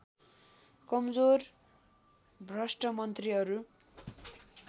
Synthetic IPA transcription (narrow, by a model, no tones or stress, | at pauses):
kʌmd͡zor | brʌsʈʌmʌnt̪riɦʌɾu